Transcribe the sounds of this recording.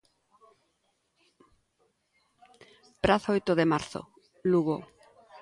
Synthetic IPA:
pɾaθojt̪oðemaɾθo̰ | luɣo

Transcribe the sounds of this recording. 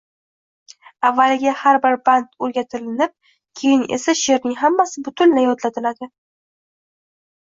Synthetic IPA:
avːalɪɡʲahaɾbɪɾbant̪oɾɡʲat̪ʰɪɾɪnɪp̚ | kʲʰe̞jɪne̞̰saʃeɾnɪŋɦamːasɪbʊt̪ʰʊnlajɒt̪lat̪ʰɪlad̪ɪ

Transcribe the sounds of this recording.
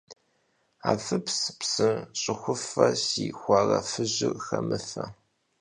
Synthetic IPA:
aːfɨpspsɨɕʼɪxʷʊfɐsixʷɑːrɐfɨʑɪxɐmɨfɐ

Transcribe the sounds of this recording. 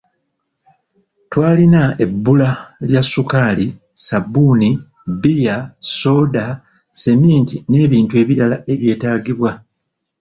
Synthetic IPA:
twaːlinae̞bːulaljasːukaːli | sabuni | bijaso̞ːda | se̞miːntine̞ːβiːntue̞ːβiɾalae̞βje̞ːtaːɡiβwa

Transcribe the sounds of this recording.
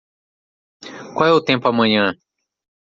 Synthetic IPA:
kwʷawɛut̪ẽmpuamɐ̃ɲɐ̃

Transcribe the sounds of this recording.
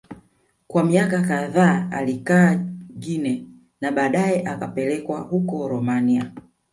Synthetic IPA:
kwamiakakaðaːa̰likaːɡinɛ | naɓaːɗajɛʔakapɛlɛkwahukɔɾɔmania

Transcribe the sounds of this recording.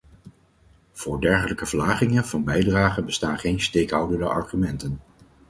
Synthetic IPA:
v̥ʊːɹdɛɹχələkəvəɹlaːχɪŋənv̥ɑnbɛjdraːχəbəstaːnχejnstejkɦʌwdəndəʔɑɹχymɛntən

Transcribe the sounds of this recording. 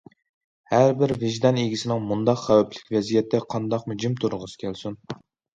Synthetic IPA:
hæɾbɪɾvɪʒd̪ɑniɡʲisɪnɪŋmund̪ɑqχɛwɛplɪ̥kʲvɛzijɛt̪ʰːɛqʰɑnd̪ɑqmʊd͡ʒimt̪ʰuɾʊʁəzɨ̥kʲʰælsun

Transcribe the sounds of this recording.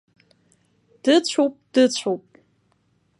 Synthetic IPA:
d̥ɨt͡ɕʷʰowpʼd̥ɨt͡ɕʷʰowpʼ

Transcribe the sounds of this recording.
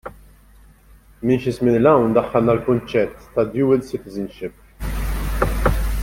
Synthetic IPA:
minʃɪsmɪnlɐwnd̪ɐħːɐlnɐlkʊnt͡ʃɛt̪ːɐd̪juːɪlsɪt̪ɪzənʃɪp

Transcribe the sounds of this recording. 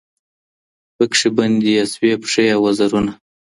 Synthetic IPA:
pəkʂiband̪ijaswepʂejawazaɾuna

